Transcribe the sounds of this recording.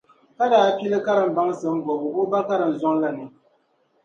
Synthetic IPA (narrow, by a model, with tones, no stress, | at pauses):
ka˦daː˦pi˦lɨ˦ka˦ɾɨ˨m̩˦ba˦ŋ˦sɨ˨m̩˦ɡɔ˨bɨ˨bo˦ba˦ka˦ɾɨ˨n̩˨zɔ˦ŋla˦nɨ˨